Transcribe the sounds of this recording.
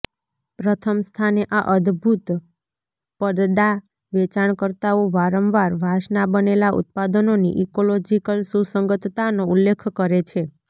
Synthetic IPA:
pɾət̪ʰəmst̪ʰaneʔaʔəd̪bʱut̪ | pəd̪d̪a | ʋet͡ʃaɳkəɾt̪aoʋaɾəmʋaɾʋʱaʃnabənelaʔṵt̪̚pad̪ənonḭʔikolod͡ʒikəlsusəŋɡət̪t̪anoulːekʰkəɾet͡ʃʰe

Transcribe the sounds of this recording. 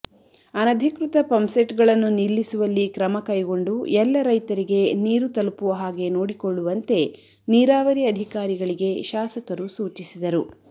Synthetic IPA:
ɐnɐd̪ʱikɾut̪ɐpɐmseʈɡɐɭɐnːunilːisuʋɐlːikɾɐmɐkɐjɡo̞ɳɖuɛlːɐɾɐjt̪ɐɾiɡe̞niːɾut̪ɐlpuʋɐɦaːɡe̞noːɽikoɭːuʋɐnt̪e̞ | niːɾaːʋɐɾiɐd̪ʱikaːɾiɡɐɭiɡe̞ʃaːsɐkɐɾusuːt͡ʃisid̪ɐɾu

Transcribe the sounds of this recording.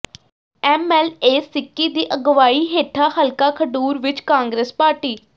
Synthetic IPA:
ɛːmɛːleːsɪkːiːd̪iːʔəɡʋaːiːɦeːʈʰaːhəlkaːkʰəɖuːɾʋɪt͡ʃkãːŋɡɾeːspaːɾʈiː

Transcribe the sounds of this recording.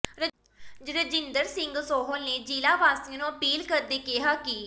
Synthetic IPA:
ɾə | d͡ʒɾəd͡ʒɪnd̪əɾsɪ̃ŋɡsoːɦəlneːd͡ʒiːlaːʋaːst̪ĩnũːəpiːlkəɾd̪eːkɪɦaːkiː

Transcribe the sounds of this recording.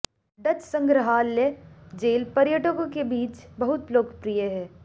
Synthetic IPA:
ɖɐd͡ʒsə̃ŋɡɾəɦaːlːed͡ʒeːlpɐɾjəʈəkõkebiːt͡ʃbɐɦʊt̪loːkpɾijəɦɛː

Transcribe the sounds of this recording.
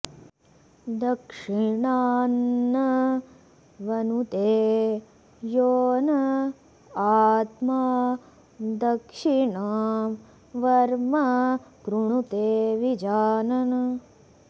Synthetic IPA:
d̪ɐkʂiɳaːnːɐ | ʋɐnut̪eː | joːnɐ | aːt̪ma | d̪ɐkʂiɳaːm | ʋɐɾmɐkɾuɳut̪eːʋid͡ʒaːnɐn

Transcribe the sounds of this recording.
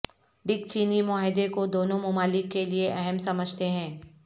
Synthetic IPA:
ɖɪk̚t͡ʃiːnimʊaːɦɪd̪ekod̪oːnõmʊmaːlɪkːelieʔɛɦɛmsɐməd͡ʒʱt̪eɦɛ̃ː

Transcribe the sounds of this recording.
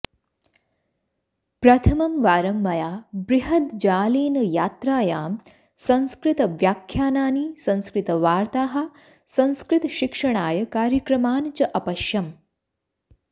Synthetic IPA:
pɾɐt̪ʰɐmɐmʋaːɾɐmːɐjaːbɾiɦɐt̪d͡ʒaːleːnɐjaːt̪ɾaːjaːm | sɐ̃nskɾɪt̪ɐʋjaːkʰːjaːnaːnisɐ̃nskɾɪt̪ɐʋaːɾt̪aːɦɐ̆ | sɐ̃nskɾɪt̪ɐʃikʂɐɳ̃aːjɐkaːɾjɐkɾɐmaːnt͡ʃɐʔɐpɐʃjɐm

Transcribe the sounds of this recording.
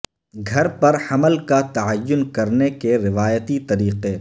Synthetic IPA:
ɡʱɐɾpɐɾhɐməlkat̪ɐəjːʊnkɐɾnekeɾɪʋaːjət̪it̪ɐɾiːqe

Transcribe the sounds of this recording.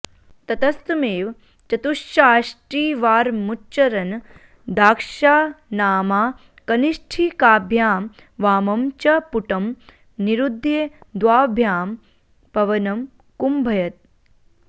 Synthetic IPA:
t̪ɐt̪ɐst̪meːʋ | t͡ʃɐt̪uʃjaːʃʈɾiːʋaːɾmutːt͡ʃɐɾɐn | d̪aːkʂaːnaːmaː | kɐniʂʈʰikaːbʱjaːm | ʋaːmɐmt͡ʃɐpuʈɐm | niɾud̪ʱːjed̪ʋaːbʱjaːm | pɐʋɐnɐm | kumbʱɐjɐt̪̚

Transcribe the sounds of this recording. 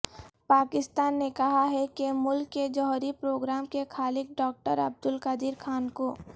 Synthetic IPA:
paːkɪst̪aːnːekɐɦaɦɛkemʊlkːed͡ʒɔɦɾipɾoːɡɾaːmkekʰaːlɪk̚ɖɔːk̚ʈəɾɐb̚d̪ʊlkad̪ɪɾkʰaːnkoː

